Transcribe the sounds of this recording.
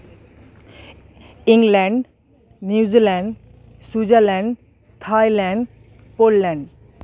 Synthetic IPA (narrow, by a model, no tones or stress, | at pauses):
iŋlɛɳɖ | njiwd͡ʑilɛɳɖ | sud͡ʑalɛɳɖ | t̪ʰajlɛɳɖ | polːɛɳɖ